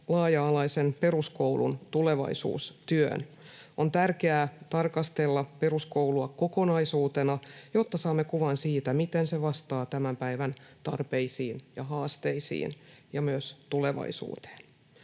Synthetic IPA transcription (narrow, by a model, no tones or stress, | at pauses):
lɑːjɑːlɑisenpe̞ruskouwlṵnt̪uleʋɑ̰isṵːst̪yø̰n | ʔont̪ærkeæːt̪ɑrkɑst̪elːɑpe̞ruskowluɑko̞konɑisuːt̪enɑjot̪ːɑsɑːmːekuʋɑnsiːt̪æmit̪enseʋɑst̪ɑːt̪æmæmpæiʋænt̪ɑrpeisiːnjɑɦɑːst̪eisḭːnjɑmyøst̪uleʋɑ̰isṵːt̪e̥ːn